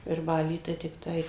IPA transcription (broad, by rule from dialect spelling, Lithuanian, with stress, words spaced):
ʋʲɪrˈbɑːlʲiː tɐɪ tʲɪkˈtɐɪ